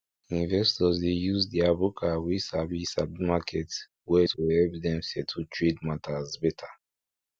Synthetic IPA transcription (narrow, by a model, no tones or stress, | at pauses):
ĩnvɛstɔzdejuzdɛabukʰawisabisabmakʰɛt | wɛtʰuɛlp̚dɛ̃msɛtʰutʰɹedmatʰazbɛtʰa